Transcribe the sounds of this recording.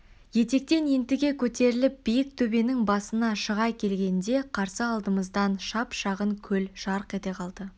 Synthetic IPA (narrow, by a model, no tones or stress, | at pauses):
je̞t̪e̞k̚t̪e̞nent̪ɪɡʲe̞kʲʰɵt̪e̞ɾɪlɪp̚b̥ijɪk̚t̪ʰɵbe̞nɪŋbɑsənɑʃəʁɑjkʲʰe̞lɡʲe̞nd̪e̞qʰɑɾsəɑlˠd̪əməzd̪ɑnʃɑpʃɑʁəŋkʲʰɵlʃɑɾqe̞t̪e̞qʰɑlˠd̪ə